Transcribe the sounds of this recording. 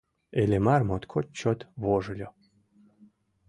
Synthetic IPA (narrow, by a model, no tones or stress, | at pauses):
elʲemarmot̪kʰot̪̚ʲt͡ɕot̪βoʒɤ̆lʲo